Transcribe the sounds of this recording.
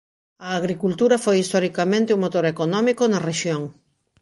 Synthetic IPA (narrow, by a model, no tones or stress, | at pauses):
ɐːɣɾikult̪uɾɐfojist̪ɔɾikamẽnt̪ɪuŋmot̪oɾekonɔmikonɐreʃjoŋ